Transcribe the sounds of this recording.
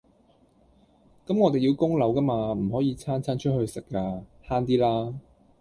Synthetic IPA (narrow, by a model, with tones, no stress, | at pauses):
kɐ˨˥mŋɔː˨˧t̪e˨ji˧wkʊ˥ŋlɐ˨˥wkɐ˥maː˧m̩˨˩ɦɔː˨˥jiː˨˧t͡sʰaː˥nt͡sʰaː˥nt͡ʃʰɵ˥t̚hɵ˧ɥsɪ˨kːaː˧haː˥nt̪̬iː˥laː˥